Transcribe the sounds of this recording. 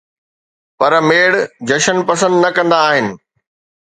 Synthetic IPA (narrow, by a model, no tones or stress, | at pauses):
pɐɾmeːɽd͡ʑɐʃənpɐsə̃nd̪nɐkɐ̃nd̪aːɦɪnɪ̆